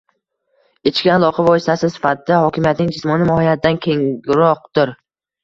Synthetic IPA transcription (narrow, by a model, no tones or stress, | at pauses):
et͡ʃʰkʲɪalˠɒqʰavɒjɪst̪asɪsɪ̥fat̪ɪd̪ahɒkʲɪmjat̪nɪŋd͡ʒɪsmɒnɪmɒhijat̪̚ɪd̪ankʲʰeŋɾɒq̚d̪ɪɾ